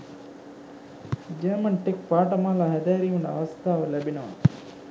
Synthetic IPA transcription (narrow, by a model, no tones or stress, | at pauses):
d͡ʒɐmɐɳʈek̚paːʈɐmaːlaɦɛd̪ɛːɾiuɳɖəɐ̰ʋɐst̪ʰaːʋəlæbinɐʋa̰